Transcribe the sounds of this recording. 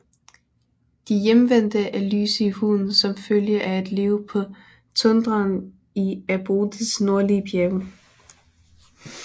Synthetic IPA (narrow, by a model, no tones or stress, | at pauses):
d̥ijemʋen̰d̥əʔæly̰ːsəihuðˠn̩ˠsɒ̽mføljəʔææd̥le̝ʊpʰɒ̽ | t͡sʰɔ̽nd̥ʁɐːn | iæb̥oːd̥isno̝ɐ̰liəb̥ʰjeɐɡ̥